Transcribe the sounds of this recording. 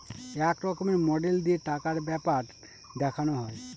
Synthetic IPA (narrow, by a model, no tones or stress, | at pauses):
ɛkɾɔkomeɾmɔɖeld̪ieʈakaɾbɛpaɾ | d̪ɛkʰanoɦɔe